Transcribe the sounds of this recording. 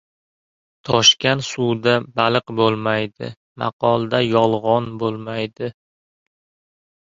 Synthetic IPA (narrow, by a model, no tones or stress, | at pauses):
t̪ʰɒʃkʲansud̪abalɨqbolˠmajd̪ɪ̰ | mɑ̰qɒlˠd̪ajɒlˠʁɒnbolˠmajd̪ɪ